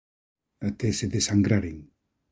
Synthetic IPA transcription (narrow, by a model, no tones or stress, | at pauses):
at̪eseðesaŋɡɾaɾiŋ